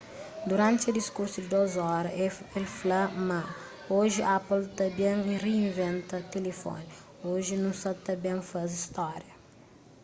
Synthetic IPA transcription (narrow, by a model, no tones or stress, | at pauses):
d̪uɾãnt̪ɪɐd̪iskuɾsud̪ɪd̪ozɔɾɐelflama | oʒɪʔapɐlt̪ɐbẽŋireĩnvẽnt̪ɐt̪elefɔ̰ni | oʒɪnũsɐt̪ɐbẽŋfɐzist̪ɔɾjɐ